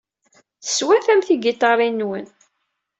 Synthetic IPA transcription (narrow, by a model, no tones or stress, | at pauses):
θə̥swæθæmθiɡit̪ˤɑɾˤinːwən